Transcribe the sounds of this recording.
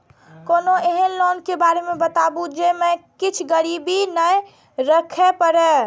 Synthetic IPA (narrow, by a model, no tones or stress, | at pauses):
konoeɦənlonkebaɾemebət̪abud͡ʒemekit͡ʃʰɡəɾibinə | ɾəkʰepəɾɛ